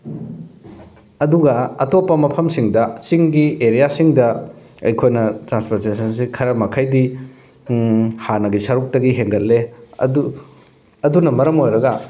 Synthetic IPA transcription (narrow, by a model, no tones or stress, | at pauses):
ɐduɡɐɐtopːɐmɐpʰɐmsiŋdɐt͡ʃiŋɡieɾijasiŋdɐ | ɐ̰jkʰojnɐtɾanspoɾtesɐns̬ikʰɐɾɐmɐkʰajdi | hanɐɡisɐɾuk̚tɐɡiɦeŋɡɐt̚lːedu | ɐdunɐmɐɾɐmojɾɐɡɐ